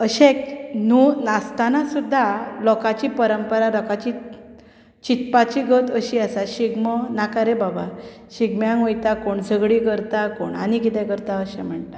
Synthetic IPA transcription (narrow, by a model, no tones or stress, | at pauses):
əɕẽknunast̪anasud̪ʱːalɔkat͡ɕiːpəɾəmpəɾalɔkat͡ɕi | t͡ɕit̪̚pat͡ɕiɡʱət̪əɕiasaɕiɡmənakaɾebaba | ɕiɡmjãŋojt̪akoɳd͡zʱəɡɽikəɾt̪akoɳa̰nikit̪ɛ̃kəɾt̪aəɕɛ̃m̤əɳʈ̪a